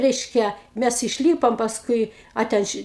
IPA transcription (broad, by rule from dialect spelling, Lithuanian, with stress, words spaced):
ˈrʲɛɪʃʲkʲɛ ˈmʲæs ɪʃʲˈlʲiːpoːm pɐsˈkʊɪ ˈɐ tʲɛn ˈʃʲɪ